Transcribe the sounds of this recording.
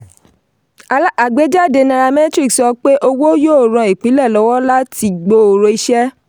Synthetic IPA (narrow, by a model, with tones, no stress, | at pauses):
a˨ɡ͡be˨˦d͡ʒa˦˨de˧nã˧ɾa˧mɛ̃˦tɾi˦˨ksɔ˧k͡pe˦ʔo˧wo˦jo˦o˨ɾ̃ã˧˨i˨k͡pĩ˨˦lɛ˦˨lɔ˨˦wɔ˦la˦ti˧ɡ͡bo˧o˨ɾo˧i˧ʃɛ˦